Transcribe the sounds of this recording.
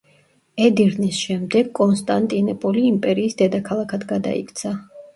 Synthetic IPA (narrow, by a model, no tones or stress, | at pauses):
ɛd̪iɾnisʃɛmd̪ɛɡkʼɔnst̪ʼant̪ʼinɛpʼɔliːmpʼɛɾiːsd̪ɛd̪akʰalˠakʰad̪ɡad̪a̰ḭkʼt̪sʰa